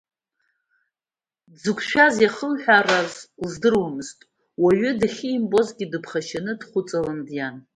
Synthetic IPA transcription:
d͡zɨkʷʰʃʷᶣazjaχəmħᶣarazlzdɨrwamɨztʼ | waɥʏdɨχʲiːmbʼo̞zɡʲidɨpʰχaʃanɨdχʷʊt͡sʼalandjan

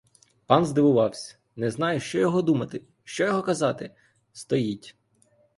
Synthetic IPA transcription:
pɑnzd̪ɪʋʊʋɑwsʲɐ̥ | nɛznɑjʊʃt͡ʃɔjɔɦɔd̪umɐt̪ɪ | ʃt͡ʃɔjɔɦɔkɐzɑt̪ɪ | st̪ɔjitʲ

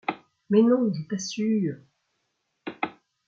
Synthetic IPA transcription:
mɛnɔ̃ʒət̪asy

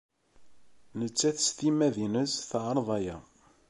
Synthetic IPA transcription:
nət͡sːæθə̥st̪imæðinəsθʕəɾˤðˤɑjæ

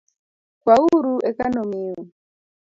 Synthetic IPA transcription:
kwauɾuɛkanɔmiu

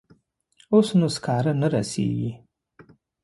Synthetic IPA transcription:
osnuskaɾanəɾa̰sḛːɡi

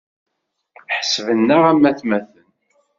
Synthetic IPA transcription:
ħsvənːəʁæmːæθmæθən

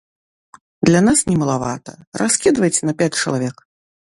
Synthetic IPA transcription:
d̪lʲanasnʲɛmɐlˠavat̪ɐ̰raskʲid̪vɐjt͡sʲɛnɐpʲat͡sʲt͡ʂɐlˠavʲɛk

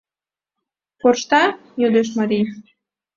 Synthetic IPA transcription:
korʃt̪ɑ | jød̪eʃ̬maɾi

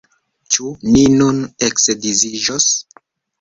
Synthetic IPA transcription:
t͡ʃuninuneksdiziʒos

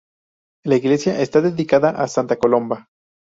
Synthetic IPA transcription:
laiɣle̞sjaʔe̞st̪aðe̞ðikaðaʔasant̪ako̞lo̞mba

